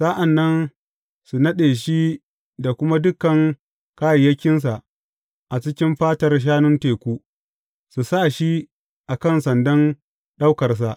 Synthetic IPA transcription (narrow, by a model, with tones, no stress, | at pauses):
sa˦ʔa˨nːɐ˦n | su˨nɐ˦ɗeː˨ʃi˦ | da˨kʷʊ˦ma˦dʊ˦kːɐ˨ŋ | kaː˦jɐ˨jɐ˦kʲːɪ˦ns̬a˨ʔ | ʔa˨t͡ʃɪ˦kʲɪ˦mɸaː˦tɐ˨rʃ̬aː˦nʊ˦nteː˨kʷuː˦ | su˨sa˦˨ʃi˦ | ʔa˨kɐ˦˨nsɐ˨ndɐ˦n | ɗa˦wkɐ˨rs̬a˨ʔ